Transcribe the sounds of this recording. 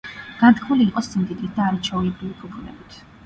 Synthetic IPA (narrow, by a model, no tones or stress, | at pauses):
ɡ̥ant̪ʰkʰmuliːqʼɔsimd̪id̪it̪̚ʰd̪aːɾat͡ʃʰɔuɛbɾivipʰupʰunɛ̰bit̪ʰ